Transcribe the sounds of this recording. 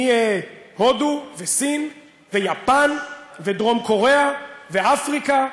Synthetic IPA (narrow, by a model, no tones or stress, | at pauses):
ie | hoduvesin | vejapanvedʁo̞mko̞ʁeaveafʁika